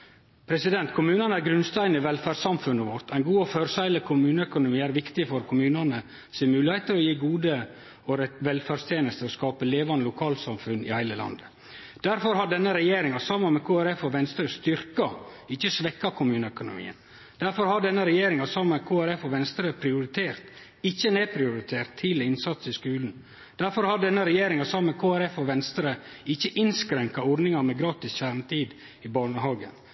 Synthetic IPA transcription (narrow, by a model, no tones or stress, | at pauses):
pʰɾɛsɪd̪ɛnt̪kʰʊmʉːnɑnəæɾɡɾʉnst̪æɪnɪʋɛlfæɖsɑmfʉnəʋɔɾt̪ʰæɪnɡuːɔføɾsæɪləkʰʊmʉːnəœkʊnʊmiːæɾʋɪkt̪ɪfɔɾkʰʊmʉːnɑnə | seːmʉːlɪheɪt̪əɾɔjiːɡuːd̪ə | ɔɾɛʋɛlfæɖst̪ʰjeːnəst̪əɔskɑːpəleːʋɑnəlʊkʰɑːlsɑmfʉnɪ̰hæɪləlɑ̰nd̪ə | d̪̥æɾfɔɾhɑɖɛnːəɾɛjeːɾɪŋɑsɑmːənmɛkʰuːæɾɛfɔʋɛnst̪ɾəst̪ʏɾkɑɪçːəsʋɛkːɑkʰʊmʉːnəœkʊnʊ̰mḭːə̰n | d̪̥æɾfɔɾhɑɖɛnːəɾɛjeːɾɪŋɑsɑməkʰoːæɾɛfɔʋɛnst̪əɾəpʰɾɪʊɾɪt̪ʰeːɾt̪ | ɪçːəneːpʰɾɪʊɾɪt̪ʰeːɾt̪ʰːɪlɛɪnsɑt̪sɪskʉːln̩ | d̪̥æɾfɔɾhɑɖɛnːəɾɛjeːɾɪŋɑsɑmmɛkʰoːæɾɛfɔʋɛnst̪əɾə | ɪçːəʔɪnskɾɛŋkɑɔɾɖnɪŋɑmɛɡɾɑːt̪ɪsçæɾɳt̪ʰiːd̪ | ɪbɑːɳəɦɑːɡə̰n